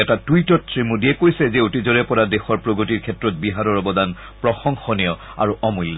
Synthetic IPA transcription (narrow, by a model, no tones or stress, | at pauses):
ɛtatujtɔtsɹimudiɛkojsɛzeutizɔɹɛpɔɹadexɔɹpɹoɡotiɹkʰɛtɹɔt̚biɦaɹɔɹɔbɔdan | pɹɔxɔŋxɔnijɔ | a̰ɹuɔmulːa